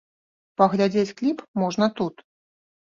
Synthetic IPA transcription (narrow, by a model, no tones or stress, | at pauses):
pɐɣlʲad͡zʲet͡sʲklʲipmɔʐnɐt̪ut̪